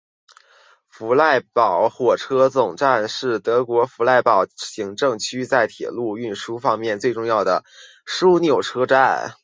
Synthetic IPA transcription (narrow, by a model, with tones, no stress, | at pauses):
fu˧˥la˥˩ɪpɑ˨˩ʊxwɔ˨˩ʈ͡ʂʰɤ˥t͡sʊ˨˩ŋʈ͡ʂa˥˧nʂɻ̩˥˩t̪ɤ˧˥kwɔ˧˥fu˧˥la˥˩ɪpɑ˨˩ʊɕi˧˥ŋʈ͡ʂɤ˥˩ŋt͡ɕʰy˥t͡sa˥˩ɪt̪ʰjɛ̰˨˩lu˥˧y˥˩nʂu˥fɑ˥ŋmjɛ˥˧nt͡swe˥˧ɪʈ͡ʂʊ˥˧ŋjɑ˥˩ʊd̪ə̰˩ | ʂu˥njo˨˩ʊʈ͡ʂʰɤ˥ʈ͡ʂa˥˩n